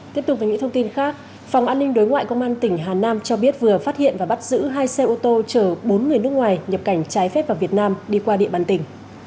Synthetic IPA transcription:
t̪i˦˥əpt̪ʊ˨˩eː˨˩ŋḭ˧˥t̪ʰə˧ŋ͡mt̪i˧nxaː˦˥k̚ | fa˨˩wŋ͡mʔaː˧nːï˧ŋ̟ɗo˨˦jŋwa̰ː˧˨jkə˧wŋ͡mʔaː˧nt̪ï˧˩ŋ̟ɦaː˨˩naː˧mt͡ɕɔ˧ɓi˦˥ət̚vɨ˨˩əfaː˦˥t̚hḭ˧˨ənvaː˨˩ɓa˦˥t̚zɨ̰˧˥ɦaː˧jsɛ˧ʔo˧t̪o˧t͡ɕəː˧˩ɓo˨˦nŋɨ˨˩əjnɨ˦˥ək̚ŋwaː˨˩jɲə˨˩p̚ka˧˩jŋ̟t͡ɕaː˨˦jfɛ˦˥p̚va˨˩vi˨˩ət̚naː˧mɗi˧kwaː˧ɗḭ˧˨ɓaː˨˩nt̪ï˨˩ŋ̟

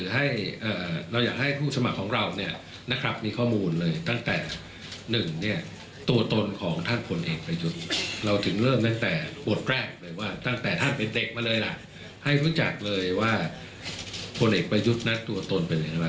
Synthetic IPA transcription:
ɯː˩˦ɦa˥˩jʔəː˨˩ɾa˧wjaː˨˩k̚ha˥˩jpʰuː˥˩sa˧ma˨˩kʰːɔː˩˦ŋɾa˧wni˥˩ɐ | na˦˥kʰɾa˦˥p̚miː˧kʰɔː˥˩muː˧nlɤː˧jt̪a˥˩ŋt̪ɛː˨˩ | nɯ˨˩ŋni˥˩ɐ | t̪u˧ɐt̪o˧nkʰɔː˩˦ŋt̪ʰa˥˩npʰo˧nʔḛː˨˩k̚pɾa˧ju˦˥t̪̚ɾa˧wt̪ʰɯ˩˦ŋɾɤː˥˩mt̪a˥˩ŋt̪ɛː˨˩bo˨˩t̪̚ɾɛː˥˩k̚lɤː˧jwaː˥˩t̪a˥˩ŋt̪ɛː˨˩t̪ʰa˥˩npe˧nde˨˩k̚maː˧lɤː˧jla˨˩ʔ | ha˥˩jɾu˦˥t͡ɕa̰˨˩k̚lɤː˧jwaː˥˩ | pʰo˧nʔeː˨˩k̚pɾa˧ju˦˥t̪̚na˦˥t̪u˧ɐt̪o˧npe˧nla˨˩ŋ˥˩a˦˥

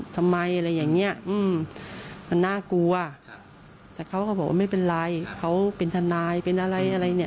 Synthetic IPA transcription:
t̪ʰa˧mːa˧jʔa˧ɾa˧jːaː˨˩ŋni˦˥ɐ˨ʔɯː˧m | ma˧nːaː˥˩ku˧ɐ | t̪ɛː˨˩kʰa˦˥wkʰa˧˩bɔː˨˩kwʔa̰ː˧ma˥˩jpe˧nla˧jkʰa˦˧˥wpe˧nt̪ʰa˧naː˧jpe˧nʔa˧ɾa˧jʔa˧ɾa˧jni˧˩˨

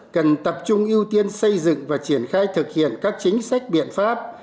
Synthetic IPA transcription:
kə˨˩nt̪ə˨˩p̚t͡ɕʊ˧ŋ͡mʔi˧əwt̪i˧ənsə˧jzɨ̰˧˨ŋvaː˨˩t͡ɕi˧˩ənxaː˧jt̪ʰɨ˨˩k̚hḭ˧˨ənkaː˦˥k̚t͡ɕï˨˦ŋ̟sa˦˥k̟̚ɓḭ˧˨ənfaː˦˥p̚

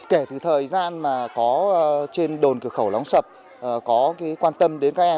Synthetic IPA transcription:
ke˧˩t̪ʰɨ˨˩t̪ʰəː˨˩jzaː˧nmaː˨˩kɔ˨˦˧t͡ɕe˧nɗo˨˩nkɨ˧˩əxə˧˩wla˨˦wŋ͡msə˨˩p̚ | ʔkɔ˨˦ka˨˦jkwaː˧nt̪ə˧mɗe˨˦nkaː˨˦˥k̚ʔɛ˧

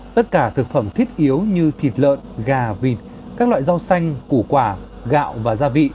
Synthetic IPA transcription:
t̪ə˦˥t̚kaː˧˩t̪ʰɨ˨˩k̚fə˧˩mt̪ʰi˦˥ət̚ʔi˨˦əwɲɨ˧t̪ʰi˨˩t̚lə̰ː˧˨nɣaː˨˩vi˨˩t̚ | kaː˦˥k̚lwa̰ː˧˨jza˧wsa˧jŋ̟ku˧˩kwaː˧˩ | ɣa̰ː˧˨wvaː˨˩zaː˧vḭ˧˨

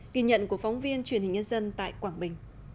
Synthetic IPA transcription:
ɣi˧˩ɲə̰˧˨nku˧˩əkfɔ˨˦wŋ͡mvi˧ənt͡ɕwi˧˩ənhï˨˩ŋ̟ɲə˧nzə˧nt̪a̰ː˧˨jkwaː˧˩ŋɓï˨˩ŋ̟

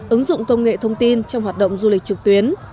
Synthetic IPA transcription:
ʔɨ˨˦ŋzʊ̰˧˨ŋ͡mkə˧wŋ͡mŋḛ˧˨t̪ʰə˧wŋ͡mt̪i˧nt͡ɕɔ˧wŋ͡mhwaː˨˩t̚ɗə̰˧˨wŋ͡mzu˧lk̟̚t͡ɕɨ˨˩k̚t̪wi˨˦ən

